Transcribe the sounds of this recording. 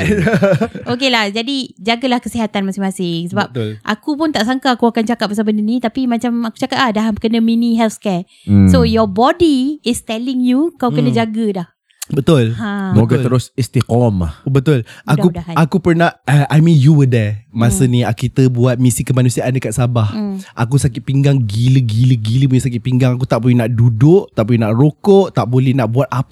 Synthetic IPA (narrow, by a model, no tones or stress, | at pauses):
ʔokelahd͡ʒadid͡ʒaɡəlahkəsiɦat̪anmasɪŋmasɪŋsəbapt̪lʔa̰kupʊnt̪aʔsaŋkaːkuakant͡ʃakat̪̚pasawbəndənĩt̪apimãt͡ʃamaku̥t͡ʃakat̪̚lahdaɦakənə̃minĩɦɛlfskɛ | sojɔbɔdiɪst̪ɛlɪŋjukawkənə̃d͡ʒaɡədah | bət̪ʊlhãmoɡət̪əɾʊsist̪ikɔma̰hbət̪ʊlakuakupərnaəʔajmĩnjuwədɛmasənĩakit̪əbuat̪̚misikəmanũsiaʔandəkat̪̚sabahʔak̬usakɪt̪̚piŋɡaŋɡiləɡiləɡiləmũɲəsak̬ɪt̪̚piŋɡaŋak̬ut̪aʔbojnaʔdudʊʔt̪aʔpujnaʔrokoʔt̪aʔbolɛhnaʔbuat̪̚ap